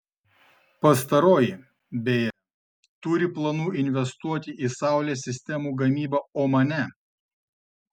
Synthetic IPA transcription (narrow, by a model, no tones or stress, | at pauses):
pɐst̪ɐɾoːjɪ | bʲejɛ | t̪ʊɾʲɪplˠɐnuːʔɪnʲʋʲɛst̪uɔt̪ʲɪʔisɑˑʊlʲeːsʲɪsʲt̪ʲɛmuːɡɐmʲiːbɐoːmɐnʲɛ